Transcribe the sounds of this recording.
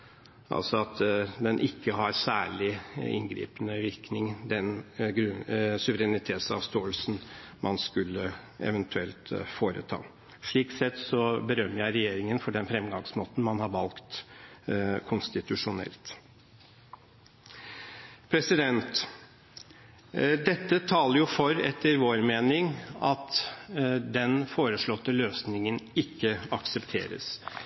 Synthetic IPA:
ʔɑ̰lsɔɑt̪d̪ɛnʔɪkːəɦɑɾsæːɭɪɪ̰nɡɾḭːpənəʋɪɾknɪŋd̪ɛnɡɾʉsʉʋəɾɛnɪt̪ʰeːt̪sɑ̰ːʋst̪oːəlsn̩mʔɑnskʉlːəɛ̰ʋɛnt̪ʰʉɛlt̪foːɾə̰t̪ʰɑ̰ː | ʂɭiːksɛt̪sɔbəɾœmːəjæɪɾɛjeːɾɪŋənfɔɖɛnfɾɛmɡɑŋsmoːt̪n̩mɑnhɑɾʋɑlkt̪ | kʰʊnst̪ɪt̪ʉʂʊnɛ̰lt̪ | pʰɾɛsɪd̪ɛnt̪ | d̪ɛt̪ːət̪ʰɑːləɾjʊfɔɾɛt̪ːəɾʋoːɾmeːnɪŋɑt̪ | d̪ɛnfoːɾəʂɭɔt̪ːəløːsnɪŋənɪkːəɑksɛpt̪ʰḛːɾə̰s

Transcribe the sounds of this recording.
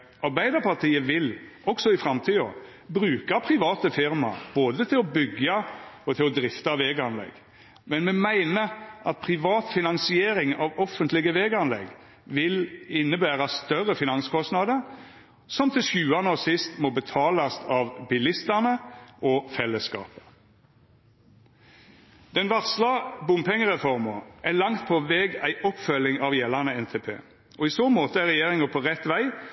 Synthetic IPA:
ʔɑɾbæɪd̪əpʰɑt̪ʰiːəʋɪl | ɔksɔɪfɾɑmt̪ʰiːɔ̰ | bɾʉːkɑpʰɾɪʋɑːt̪əfɪɾmɑ̰b̥oːd̪ət̪ʰɪlɔbʏɡɑɔt̪ʰɪlɔd̪ɾɪft̪ɑʋeːɡɑnlɛ̰ɡ | mɛnmɛmæɪnəʔɑt̪̚pʰʁɪʋɑːt̪fɪnɑnsɪeːɾɪŋɑʋɔfːənt̪lɪɡəʋeːɡɑnlɛ̰ɡ | ʋɪlɪnːəbæːɾɑst̪œɾəfɪnɑnskʰɔst̪nɑd̪əɾ | sɔmt̪ʰɪlʃʉːɑnəoːsɪst̪moːbət̪ʰɑːlɑsɑʋbɪlɪst̪ənəʔɔːfɛlːəskɑ̰ːpə̥ | d̪̥ɛnʋɑʁslɑbʊmpɛŋəʁɛfɔʁməʔælɑŋt̪̚pʰɔʋɛːɡæɪʔɔpfœlɪŋɑʋjɛlːɑʁnəɛnt̪ʰeːpʰḛː | ʔɔiːsoːmoːt̪əæʁɛjeːʁɪŋəpʰɔʁɛt̪ʋæɪ

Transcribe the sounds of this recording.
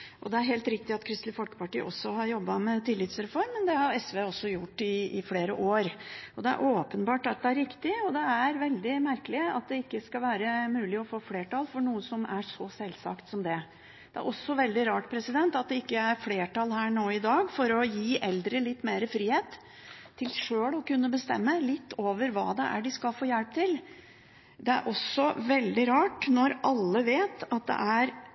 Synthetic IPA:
ʔɔd̪ɛæɾɦeːlt̪ɾɪkt̪ɪɑt̪kʰɾɪst̪lɪfɔlkə̥pɑʈiːə̰ʔɔsːɔɦɑɾjɔbːɑmɛt̪ɪlːɪt̪sɾɛfɔɾmːənd̪ɛhɑɾɛsʋeːɔsːɔjʊʈːɪɪfleːɾə̰ʔoːɾʔɔd̪ɛæ̰ɾʔoːpənbɑːʈɑt̪̚d̪ɛæɾɾɪkt̪ɪɔd̪ɛæɾʋɛld̪ɪmæɾkəlɪɑ̰t̪̚d̪ɛɪkːəskɑlʋæːɾəmʉːlɪɔfoːfleːʈɑlfɔɳuːəsɔmæʂɔsɛlsɑ̰kt̪sɔmd̪ɛ | d̪̥ɛæ̰ɾʔɔsːɔʋɛld̪ɪɾɑːʈpʰɾɛsɪd̪ɛnt̪ɑt̪̚d̪ɛɪkːəæɾfleːʈɑlhæːɳoːɪd̪ɑːɡfɔɾɔjiːʔɛld̪ɾəlɪt̪ːmeːɾəfɾiːheːt̪ʰː | ɪlʂøːɭɔkʉnːəbəst̪ɛ̰mːəlɪt̪ːoːʋəɾʋɑ̰ːd̪ɛ̰ʔæ̰ɖɪskɑlfoːjælp̚t̪ʰɪl | d̪ɛæ̰ɾʔɔsɔʋɛld̪ɪɾɑːʈnɔɾʔɑlːəʋeːt̪ɑt̪̚d̪ɛ̰ʔæɾ

